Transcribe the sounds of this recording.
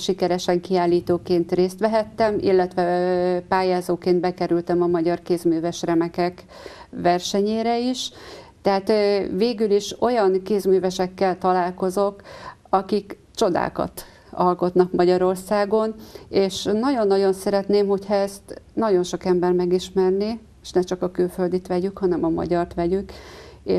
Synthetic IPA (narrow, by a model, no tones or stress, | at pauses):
ʃikɛɾɛʃɛŋkiaːlːiːt̪oːkeːnt̪reːst̪ʋɛɦɛt̪ːɛmḭlːɛt̪ʋɛpaːjaːzoːkeːnd̪̚bɛkɛɾylt̪ɛmɒmɒɟɒrkeːzmyːvɛʃrɛmɛkɛk | ʋɛrʃɛɲeːɾɛiʃt̪ɛɦaːt̪veːɡyliʃo̞jɒnkeːzmyːvɛʃɛkːɛlt̪ɒlaːlko̞zo̞kɒkik | t͡ʃo̞d̪a̰ːkɒ̰t̪ | ɒlko̞t̪nɒkmɒɟɒɾo̞rsaːɡo̞neːʃnɒɟo̞nːɒɟo̞nsɛɾɛt̪neːmɦo̞chɒɛst̪nɒɟo̞nʃo̞kɛmbɛrmɛɡiʃmɛrni | eʃnɛt͡ʃɒkɒkylføld̪it̪ʋɛɟykhɒnɛmɒmɒ̰ɟɒrt̪ʋɛɟykḛː